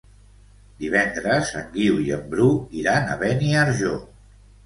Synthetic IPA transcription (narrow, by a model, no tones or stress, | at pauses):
d̪iβɛnd̪ɾəzə̰ŋɡiwiəmbɾuiɾanə̰βɛniəɾʒo